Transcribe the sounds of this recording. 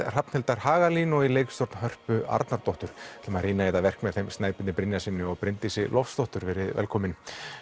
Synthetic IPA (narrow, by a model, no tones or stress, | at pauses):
r̥apnhɛlt̪aɾ̥haːɣaliːnɔileːjkst̪ɔɾt̪nɦœr̥pʏa̰ɾt̪naɾt̪ɔht̪ʏɾ̥ʰɛmar̥iːnajɛt̪avɛr̥kmɛðθejmst̪naːjpɪnɪpɾɪnjasɪnːʏɔɣpɾɪnt̪isɪlɔfst̪ɔht̪ʏɾvɛɾɪðvɛ̰lkʰɔːmɪn